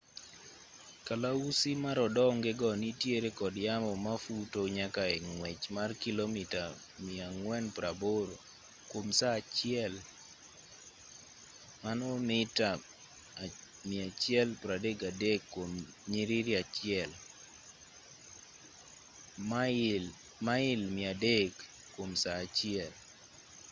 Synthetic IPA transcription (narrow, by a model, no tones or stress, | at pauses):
kalausimaɾɔdɔŋɡɪɡɔnitjeɾekɔdjamɔmafutoɲakaɛŋwɛt͡ʃmarkilomita | mɪaŋwɛnpɾaboɾo | kwomsaːt͡ʃɪɛl | manɔnɪta | miat͡ʃɪɛlpɾadeɡadekːwom | ɲiɾiɾiat͡ʃɪɛl | maɪlmɪadeɡ | kːwomsaːt͡ʃɪɛl